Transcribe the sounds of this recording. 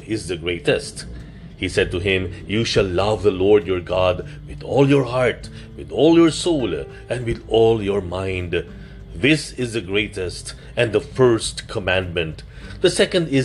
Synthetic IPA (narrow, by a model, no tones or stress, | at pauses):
ɪzðɨɡɹeɪɾɪst | hisɛd̚tuɦɪ̃mjuʃælːʌvðəlɔɹdjɔɹɡɑdwɪðɔlˠjəɹɦɑɹt | wɪðɔːlˠjəɹsoʊlˠ | ɨ̃nwɪðɔlˠjɔɹmãɪ̃nd | ðɪsɪzðɨɡɹeɪtɨst | ɨ̃nðəfɜ˞stkʰəmæ̃nmɨ̃nt | ðɨsɛkə̃ndɪ